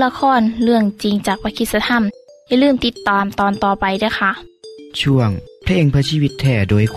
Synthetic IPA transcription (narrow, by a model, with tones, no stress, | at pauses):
la˧kʰɔː˧˥˨nlɯ˧˩əŋt͡ɕi˧ŋt͡ɕaː˨˩k̚paː˧kʰi˧˩sa˧t̪ʰa˧˨mja˧˨lɯː˧˥˩mt̪i˧˩t̪ːaː˨˩mt̪ɔː˨nt̪ɔː˨˩pa˧jdɯː˧˩˨jxʰa˧˩˨ʔt͡ɕʰu˧˩əŋpʰleː˧˩ŋpʰɯ˧əsiː˧wi˧t̪ʰːɛː˧˩doː˧˩jk